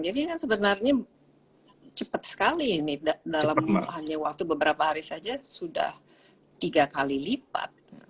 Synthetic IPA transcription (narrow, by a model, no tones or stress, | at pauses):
d͡ʒadikansəbənarɲa | t͡ʃəpət̪̚sə̥kalinɪdadalamhaɲawak̚t̪ubəbəɾapaɦaɾisad͡ʒasuda̰h | t̪iɡakalilipa̰t̪̚ja̰